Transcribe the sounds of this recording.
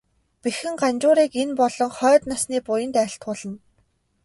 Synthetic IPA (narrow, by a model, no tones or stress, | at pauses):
pixɘ̆ŋɢant͡ɕʊːɾiːkenpɔɮɞ̆ŋχœːt̪nasniːpʊjə̆nt̪æ̆ɬt̪̚ɢʊːɮə̆n